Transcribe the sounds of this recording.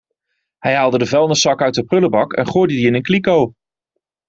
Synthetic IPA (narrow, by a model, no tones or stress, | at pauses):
hɛjɦaːlˠdədəvɛlˠndəsɑkœɥt̚əprɵləbɑkɛ̰nχoːjdədiɪnənklikow